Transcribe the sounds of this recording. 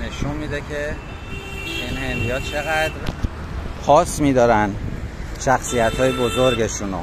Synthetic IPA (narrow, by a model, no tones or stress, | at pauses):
ne̞ʃunmiːd̪ecʰe | inhend̪ijɒːt̪̚t͡ʃʰe̞ɣæd̪ɾ | pʰɒːsmiːd̪ɒːɾænʃæxsijæt̪hɒːjebozoɾɟe̞ʃuno